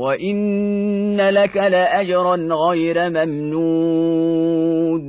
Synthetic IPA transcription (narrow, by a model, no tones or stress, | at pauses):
waʔɪnː | alakalaʔad͡ʒɑɾˤɑnɣajɾamamnu | d̪